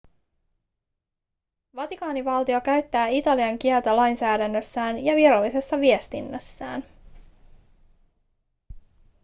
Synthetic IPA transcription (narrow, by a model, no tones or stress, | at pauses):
ʋɑt̪ikɑːniʋɑlt̪io̞kæɥt̪ːæːit̪ɑliɑŋkielt̪ælɑjnsæːdænːø̞sːæːnjɑʋiɾɑlːise̞sːɑʋie̞st̪inːæsːæ̰ːn